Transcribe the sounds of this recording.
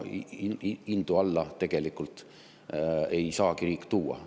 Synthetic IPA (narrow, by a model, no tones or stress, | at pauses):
ind̪̥uɑlːɑt̪e̞ɡ̥e̞likːˑult̪ | e̞jsɑːkiɾiːkːˑt̪uːɑ̰